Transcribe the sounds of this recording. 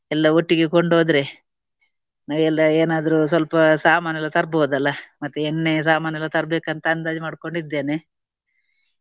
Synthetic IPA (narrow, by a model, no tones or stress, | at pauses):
ɛlːɐoʈːiɡekoɳɖoːd̪ɾe̞ | naːʋɛlːɐeːnaːd̪ɐɾus̬ʋɐlpɐsaːmaːnjɐlɐt̪ɐɾboːd̪ɐlːɐmɐt̪ːuɛɳːes̬aːmaːnjɐlːɐt̪ɐɾbeːkɐnt̪ɐɐnd̪aːd͡ʒmaːɽko̞ɳɖid̪ːe̞ːne